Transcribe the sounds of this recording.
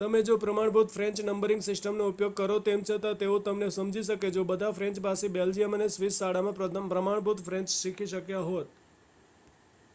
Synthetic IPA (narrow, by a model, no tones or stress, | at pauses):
t̪əmed͡ʒopɾəmaɳbʱut̪fɾɛ̃ɲt͡ʃnəmbəɾɪ̃ŋɡsɪsʈəmnoupjoɡ̚kəɾot̪emt͡ʃʰət̪at̪eõt̪əmnesəmd͡ʒʱiʃ̬əked͡ʒobəd̪ʱafɾɛ̃ɲt͡ʃpasibeld͡ʒijəmənesʋisːaɽamãpɾəmaɳ̃bʱut̪fɾɛ̃ɲt͡ʃʃikʰiʃəkjaɦot̪̚